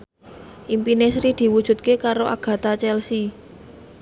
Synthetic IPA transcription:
ʔimpinesɾid̪̥i̤wud̥ʒ̥ṳt̪̚kekaɾoʔa̰ɡ̥ä̤t̪at͡ʃɛlsi

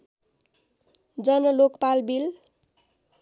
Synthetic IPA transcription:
d͡zʌnʌlokpalbil

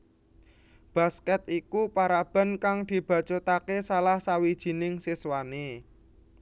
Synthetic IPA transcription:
b̥a̤skɛt̪̚ikupaɾab̥a̤nkaŋd̪̥i̤b̥ä̤t͡ʃot̪akesalahsawid̥ʒ̥i̤nɪŋsiswane

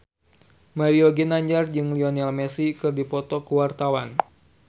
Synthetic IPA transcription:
maɾioɡinaɲd͡ʒard͡ʒɨŋliɔnɛlmɛsikɨrdipɔt̪ɔkəwart̪awan

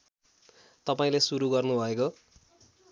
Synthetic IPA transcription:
t̪ʌpaĩlesuɾuɡʌrnubʱʌeko

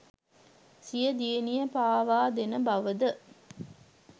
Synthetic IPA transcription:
sijɐd̪ienijɐpaːʋaːd̪enɐbɐʋəd̪ə

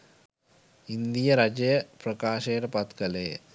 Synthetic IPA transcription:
ind̪ijɐɾɐd͡ʒɐjɐprɐkaːʂɐːɾɐpɐt̪kɐle

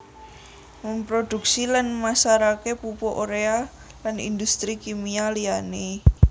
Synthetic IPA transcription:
məmpɾod̪̥ṳk̚silanmasaɾakepupoʔoɾea | lanḭnd̪ust̪ɾikimialiane

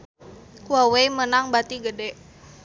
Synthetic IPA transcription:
kuawejmənaŋbat̪iɡədɛʔ

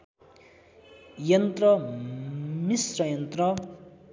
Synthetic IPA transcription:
jʌnt̪rʌ | misrʌjʌnt̪rʌ

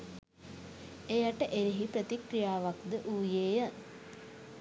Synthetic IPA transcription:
ejaʈəʔeɾiɦipɾət̪ikɾijaːʋakd̪əʔuːjeːjə

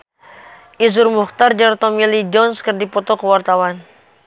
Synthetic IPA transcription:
ʔizʊrmuxt̪ard͡ʒaɾt̪ɔmilid͡ʒɔnskərdipɔt̪ɔkəwart̪awan

